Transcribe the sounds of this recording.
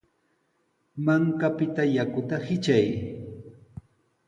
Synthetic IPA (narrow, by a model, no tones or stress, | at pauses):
maŋkapɪt̪ajakʊt̪ahɪt͡ʃaj